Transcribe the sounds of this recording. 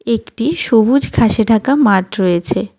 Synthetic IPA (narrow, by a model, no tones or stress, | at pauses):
ekʈiʃobud͡ʑkʰaʃeʈakamaʈɾojet͡ɕʰe